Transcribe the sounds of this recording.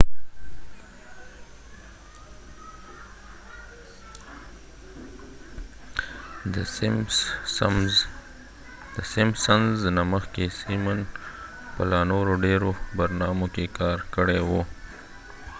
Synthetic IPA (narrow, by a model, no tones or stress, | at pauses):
m | d̪̥əsɪmsanznaməxkesiman | pəlɑnoɾoɖeɾobaɾnɑmokekɑɾkəɽewo